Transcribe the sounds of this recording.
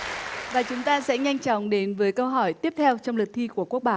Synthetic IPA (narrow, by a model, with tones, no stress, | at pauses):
vaː˨˩t͡ɕʊ˨˦ŋ͡mt̪aː˧sɛ̰˧˥ɲa˧jŋ̟t͡ɕɔ˨˦wŋ͡mɗe˨˦nvəː˨˦jkə˧wɦɔ˧˩jt̪i˦˥əp̚t̪ʰɛ˧wt͡ɕɔ˧wŋ͡mlɨ˨˩t̪ʰi˧ku˧˩əku˦˥k̚ɓaː˧˨